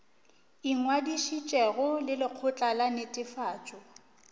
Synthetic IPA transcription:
iŋwadiʃit͡ʃʼɛɣʊlɪlɪq͡χʰʊt͡ɬʼalanɪtʼɪfaːt͡ʃʼɔ

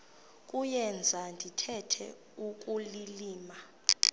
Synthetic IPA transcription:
kʼujɛnd͡zʱandʱitʰɛtʰɛ̰ | uk̬ʼuliliːma

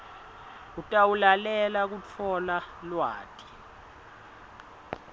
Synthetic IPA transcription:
utʼawulalɛlak̬ut͡fʰɔlalwaːtʼi̥

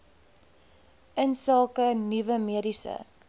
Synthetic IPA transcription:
ənsɑːkənivəmiəɾisə̰

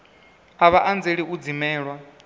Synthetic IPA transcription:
aβaʔand͡zeɺiʔud͡zimɛːɺwa

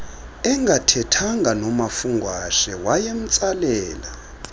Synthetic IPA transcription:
ɛŋɡʱatʰɛtʰaŋɡʱanɔmafuŋɡʱwaʃɛwajem̩t͡sʼalɛːla

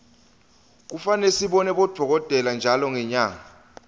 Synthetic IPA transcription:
k̬ufanesiɓɔnɛɓɔd̥ʱɔk̬ɔtʼɛland͡ʒʱalɔŋɛɲaːŋa

